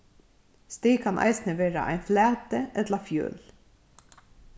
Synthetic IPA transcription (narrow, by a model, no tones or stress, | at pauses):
st̪iːkʰanʔɑ̰ɪsnəʋeːɾa̰ʔa̰ɪnflæːt̪əʔɛt̪lafjø̰ːl